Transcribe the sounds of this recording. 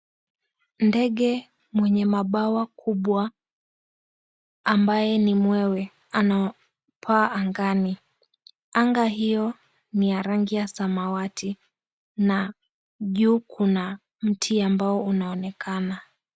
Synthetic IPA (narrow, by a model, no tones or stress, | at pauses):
ndɛɠɛ | mwɛɲɛmaɓawakʰuɓwa | mbajɛnimwɛwɛ | ana | pʰaːʔːŋɡani | aŋɡaɦijɔ | nijaɾaŋɡijasamawatʰi | na | ʄuːkʰuna | m̩tʰiambaɔunaɔnɛkʰana